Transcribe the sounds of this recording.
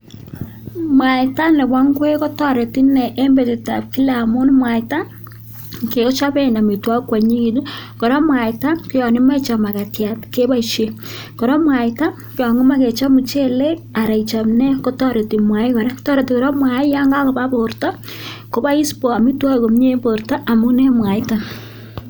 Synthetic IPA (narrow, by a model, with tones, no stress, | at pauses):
mwa˨ɪ˨ta˦nlɛ˨bwa˦ŋkwe˦kɔ˦tɔ˦ɾe˨ti˦nɛ˨ʔːmbe˨tɪ˨ta̰˨p̚ki˦la˨mʊ˦nmwa˨ɪta˦ | ke˨kɔ˦t͡ʃa˦bɛ˦˨na˨mi˨twa˦kwa˨ɲi˦ki˨du˦kɔ˨ɾɔ˦mwa˨ɪta˦kʊ˦jɔ˨nɪ˦ma˦it͡ʃa˨ma˨ka˨tja˨tke˦ba˦ʃe˨kɔ˨ɾɔ˦mwa˨ɪta˦ | kʊ˦jɔ˨ŋɪ˦ma˦ke˨t͡ʃa˦mu˨t͡ʃe˦le˦k̚a˨ɾa˨i˨t͡ʃa˨mnɛ˦ko˦tɔ˦ɾe˨ti˨mwa˨ɪ˦kɔ˨ɾɛ˦ktɔ˦ɾe˨ti˨kɔ˨ɾɔ˦mwa˨ɪ˦ja˦ŋɡa˦kɔ˨ba˦bo˨ɾta˦ko˨˦ba˦i˦spɔ˨a˨mi˦twa˦e˨ko˨mɲe˦bo˨ɾta˦ʔa˨mʊ˦nɛ˦mwa˨ɪ˦ta˦